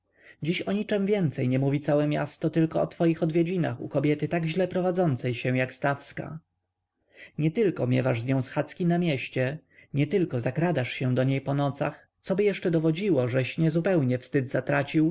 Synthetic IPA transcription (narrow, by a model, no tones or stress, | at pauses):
d͡ʑiɕɔɲit͡ʂɛmvʲjɛnt̪sɛjɲɛmuvʲit̪sawɛmʲja̰st̪ɔt̪ɘlkɔːt̪fɔjixɔd̪vʲjed͡ʑina̰xṵkɔbʲjɛt̪ɘt̪aɡʑlɛpɾɔvad̪zɔnt̪sɛjɕɛw̃jakst̪afska̰ | ɲɛt̪ɘlkɔmʲjɛ̰vaʐzɲɔ̃sxat̪skʲinamʲjɛɕt͡ɕɛɲɛt̪ɘlkɔzakɾad̪aʂɕɛ̃d̪ɔɲejpɔnɔt̪sa̰x | t̪sɔbɘjɛʂt͡ʂɛd̪ɔvɔd͡ʑiwɔʐɛɕɲɛzupɛwɲɛfst̪ɘd̪zat̪ɾat͡ɕiw